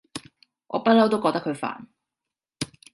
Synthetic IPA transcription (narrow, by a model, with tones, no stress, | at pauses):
ŋʔɔ̰ː˨˧pɐ˥t̚lɐ˥wt̪o˥wkɔː˧t̪ɐ˥kʰɵ˨˧ɥfa̰ː˨˩n